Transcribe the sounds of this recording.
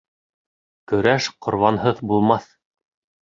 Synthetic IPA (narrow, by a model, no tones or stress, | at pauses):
kɵ̆ɾæʃqʰŏɾβɑnhɤðbulˠmɑθ